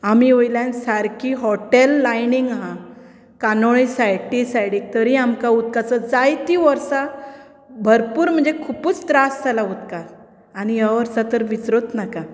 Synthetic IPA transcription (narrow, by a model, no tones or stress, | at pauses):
amiojlansaɾkiɦɔʈelːajniŋɡɦã | kanoɭisajʈisajɽik̚t̪əɾiamkaut̪̚kat͡səd͡zajt̪iʋəɾsa | bʱəɾpuːɾm̤əɳd͡zekʰupuːt͡st̪ɾastalaut̪kaɾ | anijaʋəɾsat̪əɾʋisɾot̪naka